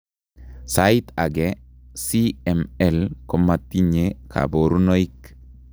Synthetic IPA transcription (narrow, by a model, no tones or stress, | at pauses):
sait̪aɡɛsiɛmɛlkɔmat̪ːiɲekʰa̰boɾunɔik